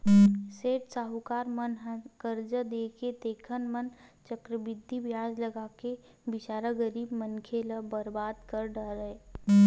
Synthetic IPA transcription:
seːʈsaːɦukaːɾmənɦə̃kəɾd͡ʒəd̪eket̪eːkʰənmənt͡ʃəkɾəbɪd̪ʱːibjaːd͡ʒləɡaːke | bɪt͡ʃaːɾəɡəɾiːbmənkʰeləbəɾbaːd̪kəɾɖəɾe

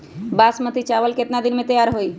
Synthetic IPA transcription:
basmət̪ʰit͡ʃaʋəlket̪nad̪ɪnmẽt̪əjaːɾɦoiː

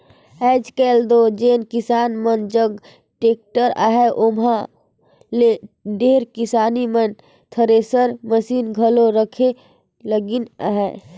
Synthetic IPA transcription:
ɛːd͡ʒkɛːld̪od͡ʒeːnkɪsaːnmənd͡ʒəɡ | ʈeːk̚ʈəɾa̰ːɦɛʔomɦã | leɖeːɾkɪsaːnimən | t̪ʰəɾeːsəɾməsiːnɡʱəloɾəkʰe | ləɡɪna̰ɦɛ

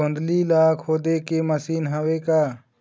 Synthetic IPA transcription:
õnd̪liːlaːkʰɦoːd̪ekeməsiːnɦəweːkaː

